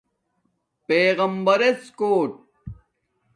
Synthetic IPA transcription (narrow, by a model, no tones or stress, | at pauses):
peːɣɐmbɐɾeskoːʈ̚